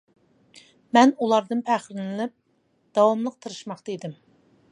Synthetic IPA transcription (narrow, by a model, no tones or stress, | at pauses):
mɛnulˠɑɾd̪ɨnpʰæχɾɪnɪlɪp̚ | d̪̥ɑwɑmlˠəq̚t̪ʰɨɾɨʃmɑχt̪əid̪ɪm